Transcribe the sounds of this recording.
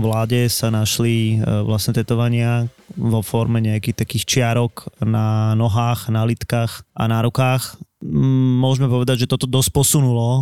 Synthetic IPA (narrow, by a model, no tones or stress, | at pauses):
ʋlaːɟɛsanaʃliʋlast̪ɲɛt̪ɛt̪ɔʋaɲɪa | ʋɔfɔɾmɛɲɛakiːxt̪akiːxt͡ʃɪaɾɔknanɔɦaːxnalit̪kaːxʔa̰naɾɔkaːx | mʊɔʒmɛpɔʋɛd̪aɟʒɛt̪ɔt̪ɔd̪ɔsc̚pɔsunulɔ